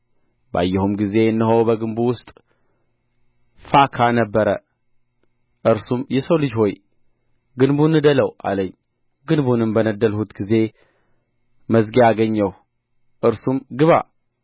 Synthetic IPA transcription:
bəa̰jːɛhumɡize̞ɨnːɨɦowbəɡɨnbuwʊst̪ʼ | fakʰanəbːəɾə | ʔɨɾsumjɛsəwlɨd͡ʒho̞j | ɡɨnbunɨd̪ələwa̰ləɲː | ɡɨnbunɨmbənəd̪ːəlhut̪ɡize̞ | məzɡjaɡəɲːəw | ʔɨɾsumɡɨβa̰

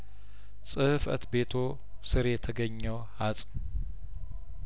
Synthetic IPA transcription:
sʼɨfə̰t̪be̞t̪ʰo̞ | sɨɾjɛt̪ʰəɡəɲːəwhasʼ

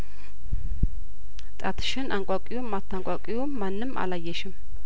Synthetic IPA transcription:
t̪ʼat̪ʰɨ̥ʃɪnaŋkʷʼakʼijumat̪ʰːaŋkʷʼakʼijuːanːɨma̰lajːɛʃɪm

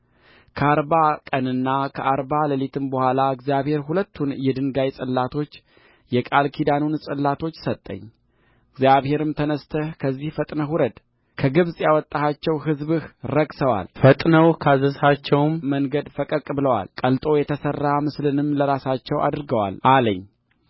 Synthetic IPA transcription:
kʰəaɾbakʼənɨnːakʰəʔaɾbaləlet̪ʰɨmbəhʷalaɨɡzjaβhe̞ɾhulət̪ːunjɛd̪ɨŋɡajsʼɨlːat̪ʰo̞t͡ʃː | jɛkʼalkʰid̪anunsʼɨlːat̪ʰo̞t͡ʃːsət̪ʼːə̰ɲː | ɡzjaβhe̞ɾɨmt̪ʰənəst̪ʰəhkʰəzːihfət̪ʼnəɦuɾəd̪ | kʰəɡɨβzjawɔt̪ʼːahat͡ʃːɛwɦɨzβɨhɾəɡsəwa̰lfət̪ʼnəwkʰazəzhat͡ʃːɛwmməŋɡəd̪fəkʼəkʼbɨləwa̰lkʼəlt̪ʼo̞jɛt̪ʰəsərːamɨslɨnɨmləɾasat͡ʃːɛwa̰d̪ɨɾɡəwa̰laləɲː

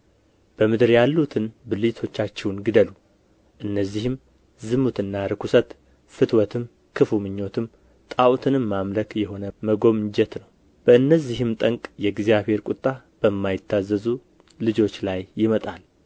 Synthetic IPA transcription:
b̥əmɨd̪ɨɾjalːut̪ʰɨnbɨlit̪ʰo̞t͡ʃːat͡ʃːɛwnɡɨd̪əlu | ʔɨnːəzːihɨm | zɨmut̪ɨnːaɾɨkʰusət̪ | fɨt̪wɔt̪ʰɨm | kʰɨfumɨɲːo̞t̪ʰɨm | t̪ʼawt̪ʰɨnɨːamləkjɛho̞nəməɡo̞mɨɲd͡ʒɛt̪nəw | b̥əɨnːəzːiɦɨmt̪ʼəŋkʼjɛɡzjaβhe̞ɾkʷʼut̪ʼːa | b̥əmːajɪt̪ʰːazːəzu | lɨd͡ʒo̞t͡ʃːlajːɪmət̪ʼal

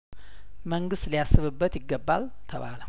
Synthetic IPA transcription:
məŋɡɨst̪lijasːɨβɨbːət̪jɪɡːəbːal | t̪ʰəβa̰lə

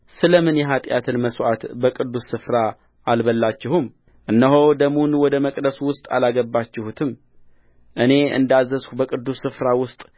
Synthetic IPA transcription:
sɨləmɨnjɛɦat̪ʼjat̪ʰɨnməswʔat̪bəkʼɨd̪ːusːɨfɾa | albəlːat͡ʃːɪhum | ʔɨnːəɦo̞d̪əmunwɔd̪əməkʼd̪əsuwʊst̪ʼa̰laɡəbːat͡ʃːɪhut̪ʰɨm | ʔɨne̞ɨ̰nd̪azːəzkubəkʼɨd̪ːusːɨfɾawʊst̪ʼ

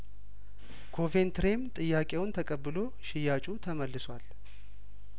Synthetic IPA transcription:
kʰo̞ve̞nt̪ʰɾe̞mt̪ʼɨjːakʼe̞wʊnt̪ʰəkʼəbːɨlo̞ | ʃɪjat͡ʃʼut̪ʰəməlːɨswal

